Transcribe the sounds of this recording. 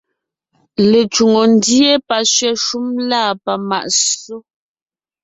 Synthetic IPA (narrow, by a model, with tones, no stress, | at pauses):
le˨t͡ʃu˨ŋo˨n˦di˦e˦pa˨ʃɥɛ˦ʃu˦mlaː˦˨pa˨ma̰˨ʔso˦